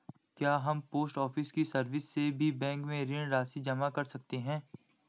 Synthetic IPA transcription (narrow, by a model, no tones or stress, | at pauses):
kjaːɦɐmpoːsʈɔːfʰɪskisɐɾʋɪsːebʱibɛ̃ːŋkmẽɾɪɳɾaːsid͡ʒɐmakɐɾsɐk̚t̪eɦɛ̃ː